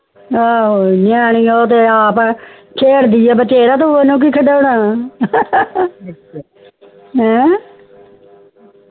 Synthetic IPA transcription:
aːonaːñiːoːt̪̬eːaːp | t͡ʃʰeːɾd̪iːaːbət͡ʃeːɾaːt̪oenũːk̬iːkʰəɖaːʊɽaː | ɦɛ̃ː

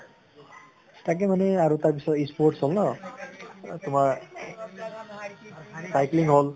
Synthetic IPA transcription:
tak̬ɛmanɛaɹutaɹpisɔtispoɹʈsolnɔ | tumaɹ | sajkliŋɦol

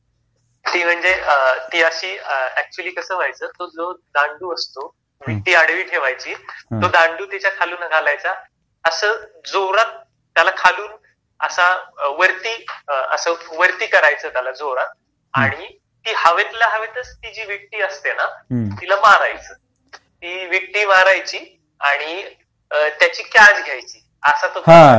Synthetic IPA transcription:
t̪iːm̤əɳd͡zet̪iːəɕiːəæk̚t͡ɕuəliːkəsəːʋ̤ajt͡səːt̪od͡zod̪ãɳɖuːəst̪o | ʋ̤ik̚ʈ̪iːaɽʋiːʈʰeʋajt͡ɕiːt̪od̪aɳɖuːt̪et͡ɕjakʰaluːnɡʱalajt͡sa | əsəːd͡zoɾat̪̚ː | jalakʰaluːn | ə̰saʋəɾt̪iːə̰səːʋəɾt̪iːkəɾajt͡səːt̪jalad͡zoɾat̪̚ | aɽ̃i | t̪iːhəʋet̪laɦəʋet̪ət͡st̪id͡ʑiːʋik̚ʈiːəst̪enat̪ilamaɾajt͡səː | t̪iːʋiʈʈiːmaɾajt͡ɕiː | aɽ̃i | t̪jat͡ɕiːkad͡zɡʱjajt͡ɕiː | əsat̪ot̪a

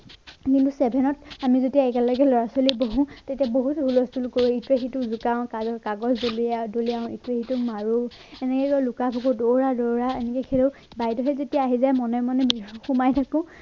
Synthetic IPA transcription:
kintusɛbʱɛnɔtamizodiaɛkɛlɔɡɛlɔɹasoliboɦũtetiaboɦutɦulɔstulkoɹuitɹexituzukaʊ̃kazɔkaɡɔzdoliadoliaʊ̃itɹexitumaɹu | ɛnɛkɛkɔlukapʰɔkudoɹadɔɹaɛnɛkɛkʰilo | bajdɔɦɛzotiaːɦizajmɔnɔmɔnɛxumajtʰakɔ̃

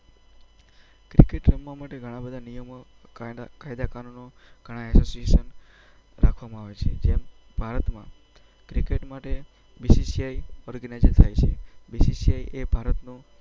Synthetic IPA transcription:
kɾikeʈɾəmːãmaʈeɡʱəɽ̃ãbəd̪ʱanijəm | kajd̪akanunoɡ̥ʱəɽ̃ãɛsosiesən | ɾakʰʋamãaʋet͡ʃʰḛd͡ʒem | bʱaɾət̪mã | kɾikeʈmaʈe | bisisiajɔɾɡənajd͡ʒənt̪ʰajt͡ʃʰebisisiajʔebʱaɾət̪no

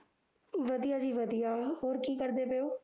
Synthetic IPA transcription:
ʋəd̪ijaːd͡ʒiːʋəd̪ijaːɦoːɾkiːkəɾd̪eːpeoː

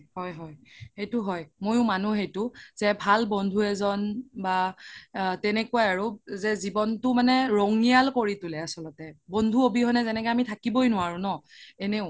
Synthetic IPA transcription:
hɔjɦɔjhejtʊɦɔjmojʊmanuɦejtʊzɛbʱalbɔndʱuɛzɔnba | tɛnɛkuajaɹuzɛzibɔntʊmanɛɹɔŋijalkoɹitʊlɛasɔlɔtɛbɔndʱuobiɦɔnɛzɛnɛkɛamitʰakibɔjnʊwaɹũnɔɛneʊ̃

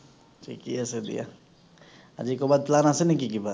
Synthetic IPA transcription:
t͡ʃḭkiɛsed̪ḭja̰ | a̰d͡ʒikobaːd̪̚plaːnasenĩk̬ikibʱa

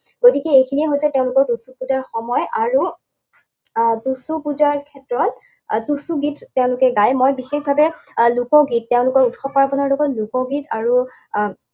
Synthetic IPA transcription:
ɡ̥otikɛejkʰiniɛɦojzɛtɛʊ̃lʊkɔɹtusupuzaɹxɔmɔjaɹu | tusupuzaɹkʰɛtɹɔtː | dusuɡitːɛʊ̃lʊkɛɡajmojbixexbʱabɛlʊkɔɡit̚tɛʊ̃lʊkɔɹutxɔpaɹbɔnɔɹlɔɡɔtlukɔɡitaɹu

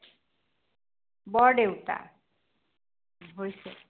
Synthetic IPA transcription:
bɔɖewta̰ | ɦojse

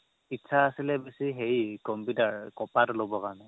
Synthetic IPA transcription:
itːsʰaːsilɛbesiɦejkɔmputaɹkɔpatlobɔkaɹɔnɛ

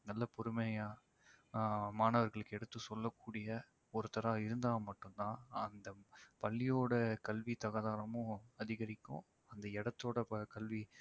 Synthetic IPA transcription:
nɐlːɐpɔɾɯmejaː | maːnɐʋɐɾɣɐɭɯkːɛɽɯt̪ːɯsɔlːɐkːuːɽɪjɐ | ɔɾɯt̪ɐɾaːɪɾɯnd̪aːmɐʈːɯnt̪ãːɐnd̪ɐpɐlːɪjoːɽɐkɐlʋit̪ɐɣɐðaːnɐmʊ̃ɐðɪɣɐɾɪkːʊ̰̃ | ɐnd̪ɐɛɽɐt̪ːoːɽɐkɐlʋi

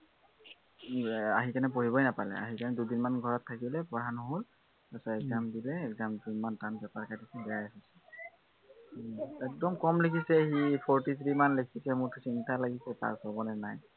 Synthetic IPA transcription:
aɦikanɛp̬oɹibɔjnapalɛ̰a̰ɦikanɛdudinmanɡʱɔɹɔtʰːakilɛpɔɹanɔɦol | asɔɛkzamdilɛːkzamdinmantanbɛpaɹkatisɛbɛɹajasisɛ̥ | ɛk̚dɔmkɔmlekʰisɛxipʰɔɹtit̪ʰɹimanlekʰisɛmʊɹtʊsintʰalaɡisɛta̰ɹsɔbɔnɛnaj

